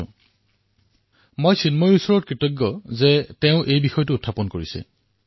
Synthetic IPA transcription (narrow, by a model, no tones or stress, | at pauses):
mojsinmɔɹiusɔɹɔt̚kɹitɔɡːɔzɛteʊ̃ʔejbixɔjɔtʊːtʰːapɔnkoɹisɛ̰